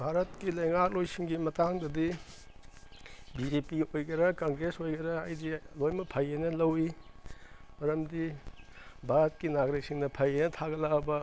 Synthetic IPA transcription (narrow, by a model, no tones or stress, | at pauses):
bʱaɾɐt̚kilɐjŋak̚lojsiŋɡimɐtaŋdɐdi | bid͡ʒepiojɡɐɾɐkɐŋɡɾesojɡɐɾɐajdilojmɐpʰɐjenɐlɐwi | mɐɾɐmdi | bʱaɾɐt̚kinaɡɾek̚siŋnɐpʰɐjenɐtʰaɡɐlabɐ